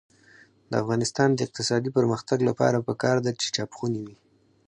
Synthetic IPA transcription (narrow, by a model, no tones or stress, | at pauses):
d̪əa̰fɣɑnɪst̪ɑnd̪əɪq̚t̪ɪsɑd̪ipəɾməxt̪aɡlapɑ̰ɾapəkɑɾd̪at͡ʃe̥t͡ʃɑpxuniwi